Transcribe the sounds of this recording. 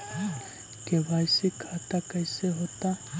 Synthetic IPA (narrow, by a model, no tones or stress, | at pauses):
kebaːjsikʰaːt̪akɐɪseɦoːt̪a